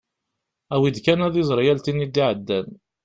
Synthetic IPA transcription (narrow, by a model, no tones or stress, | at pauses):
æwid̪kænæðizˤəɾˤjælt̪inːid̪ːiʕəd̪ːæn